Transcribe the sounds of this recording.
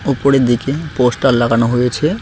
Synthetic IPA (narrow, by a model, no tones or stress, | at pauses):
upoɾeɾd̪ikeposʈallːaɡanoɦojet͡ɕʰe